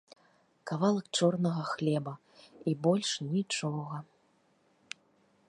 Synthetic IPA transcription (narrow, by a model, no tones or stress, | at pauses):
kavalˠɐk̚t͡ʂɔrnɐɣɐxlʲɛbɐ | ibɔlʲʂnʲit͡ʂɔɣɐ